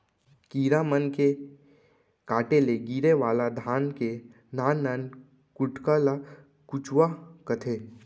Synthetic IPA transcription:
kiːɾamənke | kaːʈeleɡiːɾeʋaːlad̪ʱaːnke | naːnːaːn | kʊʈkala | kʊt͡ʃwakət̪ʰeː

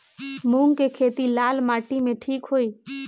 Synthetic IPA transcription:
muːŋkekʰeːt̪ilaːlmaːʈimẽʈʰiːkɦoːiː

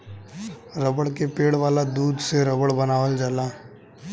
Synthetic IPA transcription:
ɾəbəɽkepeːɽʋaːlad̪uːd̪ʱseɾəbəɽbɐnaːʋəld͡ʒaːlaː

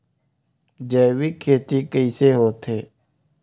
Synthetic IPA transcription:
d͡ʒeːʋiːkʰeːt̪iːkəiːseːɦoːt̪ʰeː

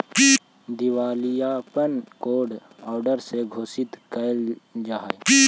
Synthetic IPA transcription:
d̪iwaːlijaːpənkoːɖ | ɔːɾɖəɾseɡʱoːsɪt̪kəld͡ʒaː

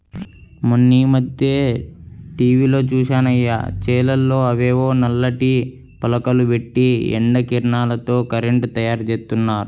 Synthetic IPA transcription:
monːiːmɐd̪jeː | ʈiːʋiːlo̞ːt͡ʃuːʃaːnɐjːa̰ːt͡ʃɛːlɐlːo̞ːɐʋeːʋoːnɐlːɐʈi | pɐlɐkɐluʋeʈːiḛɳɖɐkiɾɳaːlɐt̪o̞ːkɐɾeɳʈt̪ɐjaːɾt͡ʃeːst̪unːaːɾu

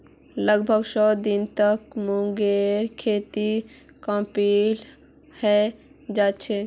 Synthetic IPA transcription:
ləɡbʱəɡsɔːd̪int̪əkmũŋɡeɾkʰet̪i | kə̃mpil | hɛ | d͡ʒat͡ʃʰɛ

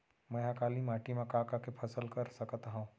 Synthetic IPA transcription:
mɛ̃akaːlimaːʈimãkaːkakepʰɐsəlkɐɾsɐkt̪aɦũː

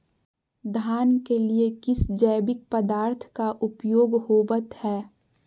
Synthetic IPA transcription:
d̪ʱaːnkeliekɪsd͡ʒəːbɪk̚pəd̪aːɾt̪ʰkaʔʊpjoːɡhoːbət̪hɛː

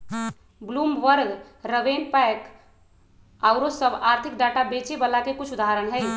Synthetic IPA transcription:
blumʋəɾɡ | ɾəʋenpajk | aʊɾosəbaɾt̪ʰik̚ɖaʈabet͡ʃebəlakekut͡ʃʰud̪aɦaɾənɦəj

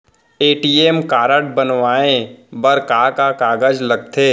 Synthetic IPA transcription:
eːʈiːeːmkaːɾəʈ̚bɐnʋaːẽbɐɾkaːkakaːɡəd͡ʒlɐɡ̚t̪ʰeː

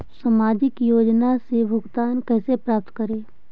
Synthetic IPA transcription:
səmaːd͡ʒɪkjoːd͡ʒnasebʱʊɡt̪aːnkɛːsepɾaːp̚t̪kəɾeː

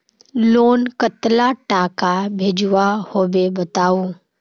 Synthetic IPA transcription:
loːnkət̪laʈaːkabʱeːd͡ʒʊʋahoːbebət̪aːuː

